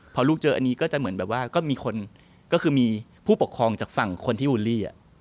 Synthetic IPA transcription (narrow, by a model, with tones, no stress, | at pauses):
pʰɔ˧luː˥˩k̚t͡ɕɤː˧ʔa˧nːiː˦˥kɔː˥˩t͡ɕa˨˩mɯ˩˦ənbɛː˨˩p̚waː˥˩kɔː˥˩miː˧kʰo˧n | kɔː˥˩kʰɯː˧miː˧pʰuː˥˩po˨˩kʰːɾɔː˧ŋt͡ɕaː˨˩k̚fa˨˩ŋkʰo˧nt̪ʰiː˥˩ʔuː˧liː˥˩ʔa̰˨˩ʔ